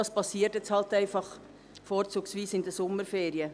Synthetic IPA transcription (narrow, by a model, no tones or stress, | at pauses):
ɑːspɑsiːəɾtjɛt͡shɑltæɪfɑχ | foːɾt͡suːksʋiːsɪndəsʊmːəɾfeːɾiə